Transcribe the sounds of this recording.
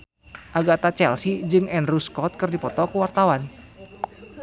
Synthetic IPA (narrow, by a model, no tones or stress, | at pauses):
ʔaɡat̪at͡ʃɛlsid͡ʒɨŋɛnruskɔt̪̚kɨrdipɔt̪ɔkuwart̪awan